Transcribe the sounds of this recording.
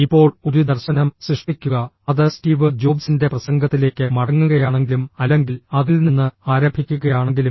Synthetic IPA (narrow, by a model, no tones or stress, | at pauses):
ipːo̞ːɭo̞ɾud̪ɐrɕɐnɐmsriʂʈikʲːuɣɐ | ɐðɨstiːʋɨd͡ʑo̞ːbsinde̞prɐsɐŋɡɐt̪ːile̞ːkːɨmɐɽɐŋːuɣɐjaːɳe̞ŋɡilumɐlːe̞ŋɡilɐðilninːɨaːɾɐmbʱikʲːuɣɐjaːɳe̞ŋɡilum